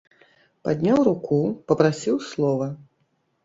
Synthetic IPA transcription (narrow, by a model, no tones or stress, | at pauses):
pad̪ʲnʲawɾukupɐpɾasʲiwslˠɔvɐ